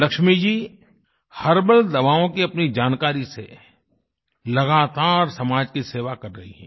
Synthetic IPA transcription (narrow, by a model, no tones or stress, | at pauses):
lɐkʃmid͡ʒiː | hɐɾbəld̪ɐʋaːõkiɐpnid͡ʒaːnkaːɾisḛ | lɐɡaːt̪aːɾsɐmaːd͡ʒkiseːʋakɐɾːɐɦḭɦɛ̰̃ː